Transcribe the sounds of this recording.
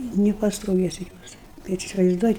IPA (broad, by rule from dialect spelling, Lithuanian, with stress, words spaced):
nʲɪpɐstoːˈʋʲeːsʲɪ ˈjuɔs bʲɛt ɪsʲɪʋɐɪzˈduɔjɪ